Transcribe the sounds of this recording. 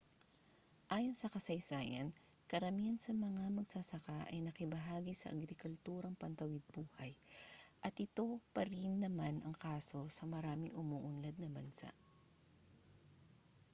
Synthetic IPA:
ʔaːjonsɐkɐsɐjsaːjɐ̰n | kɐɾɐmiɐnsɐmɐŋamɐɡsɐsɐkaʔɐjnɐkɪbɐɦaːɡisɐ̰ʔɐ̰ɡɾɪkʊlt̪uːɾɐŋpɐnt̪ɐwɪd̪̚buːhɐjʔɐt̪ʔɪt̪o̞pɐɾinːɐmanʔɐŋkaːso̞sɐmɐɾaːmɪŋʔʊmuʔʊnlɐd̪̚nɐbɐnsa̰ʔ

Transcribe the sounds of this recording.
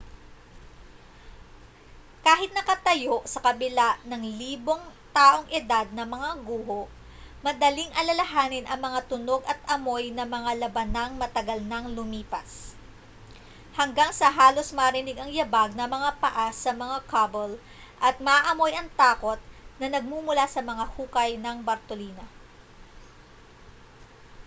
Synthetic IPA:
kaːɦɪt̪̚nɐkɐt̪ɐjo̞ʔsɐkɐbɪlaʔnɐŋliːbo̞ŋt̪aːʔo̞ŋʔɪd̪ad̪̚nɐmɐŋaɡuːɦoʔ | mɐd̪ɐliŋʔɐlɐlɐɦaːnɪnʔɐŋmɐŋat̪ʊno̞ɡɐt̪̚ɐmo̞jnɐmɐŋalɐbɐnɐŋmɐt̪ɐɡɐlnɐŋlʊmiːpɐs | hɐŋɡaŋsɐɦaːlo̞smɐɾɪnɪɡɐŋjɐbaɡ̚nɐmɐŋapɐʔasɐmɐŋakʰabol | ʔɐt̪̚mɐʔʔɐmo̞jʔɐŋt̪aːko̞t̪̚nɐnɐɡ̚mumʊlasɐmɐŋahuːkɐjnɐŋbɐɾt̪oliːnɐ

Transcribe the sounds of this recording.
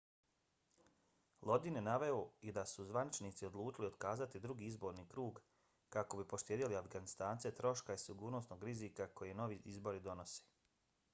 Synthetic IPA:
lˠo̞d̪injenaʋe̞oid̪asuzʋanit͡ʃniːt̪sio̞d̪lˠuːt͡ʃilio̞d̪kaːzat̪id̪ɾuɡiːizbo̞ːɾniːkɾuːɡ | kako̞bipo̞ʃt̪jeːd̪iliafɡanist̪aːnt̪set̪ɾo̞ʃkaisiɡuːɾno̞sno̞ːɡɾizikako̞jeno̞ʋiʔizbo̞ɾid̪o̞no̞se̥

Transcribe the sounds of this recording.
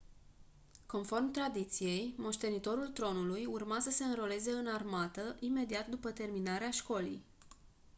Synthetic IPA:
ko̞nfo̞rmt̪ɾad̪it̪sije̞jmo̞ʃt̪e̞nit̪o̞ɾult̪ɾo̞nulujurmasəse̞ɨnɾo̞le̞ze̞ɨnarmat̪əʔime̞d̪iat̪d̪upət̪e̞rminaɾeaʃko̞lḭj

